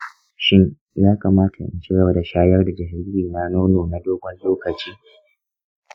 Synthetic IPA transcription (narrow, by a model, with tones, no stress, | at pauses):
ʃɪ˦ɲ | jaː˦kaː˨maː˦tʰa̰˨ʔɪ̰˨nt͡ʃɪ˦ɡɐ˨ba˦da˨ʃaː˦jɐ˦rda˨d͡ʒɪ˨ɦɪ˦ɾbiː˨na˦noː˦noː˨na˦doː˦ɡʷɐ˨lloː˦kɐ˨t͡ʃiː˦